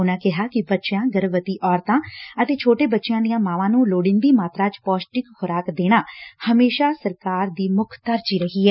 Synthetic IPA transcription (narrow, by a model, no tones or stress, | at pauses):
ʊnãːkɪɦaːkɪbətːʃjãːɡəɾʋət̪iːʔɔːɾt̪ãːət̪eːt͡ʃʰoːʈeːbətːʃɪjãːd̪ɪijãːmãːʋãːnũːloːɽɪ̃nd̪iːmaːt̪ɾãːt͡ʃpɔːsʈɪkhʊɾaːkd̪eːɽ̃aːhəmeːʃaːsəɾkaːɾd̪iːmʊkʰt̪əɾd͡ʒiːɾəɦiːɦɛː